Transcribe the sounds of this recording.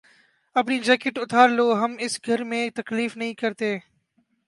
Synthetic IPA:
əpniːd͡ʒɛːkɪʈʊt̪ʰaːɾloːɦəmɪsɡʱəɾmẽːt̪əkliːfnəɦĩːkəɾt̪eː

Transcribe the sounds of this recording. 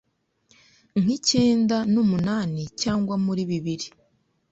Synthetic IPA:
ŋ̥ice̞ːndanumunaːnicaːŋɡwamuɾiβiβiɾi

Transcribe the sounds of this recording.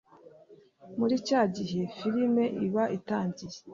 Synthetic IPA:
muɾicaːɟiɦe̞fiɾime̞ʔiβaʔitaːɲɟije

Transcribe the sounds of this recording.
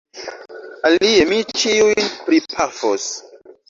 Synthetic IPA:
aliemit͡ʃiujjnpɾipʰafos

